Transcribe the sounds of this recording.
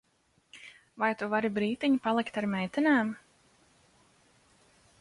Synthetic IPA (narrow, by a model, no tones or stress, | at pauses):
vajt̪uvaɾibɾiːt̪iɲpalˠikt̪aɾmɛjt̪ɛnaːm